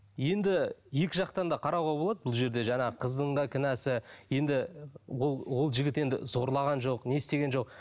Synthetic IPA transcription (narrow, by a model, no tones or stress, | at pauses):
je̞nd̪ɪje̞kʲɪʒɑqt̪ɑnd̪ɑqʰɑɾɑwʁɑbo̞lˠɑd̪əbʊlˠʒe̞ɾd̪e̞ʒɑɴɑqʰəzd̪əɴd̪ɑkʲʰɪnæsɪje̞nd̪ɪwowo̞lˠʒɪɡʲɪt̪e̞nd̪ɪ̰z̥o̞ɾlˠɑʁɑnʒo̞qne̞st̪e̞ɡʲe̞nʒo̞q